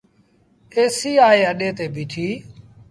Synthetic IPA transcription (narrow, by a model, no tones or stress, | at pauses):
eːsiːaːeːəɗeːt̪eːbiːʈʰiː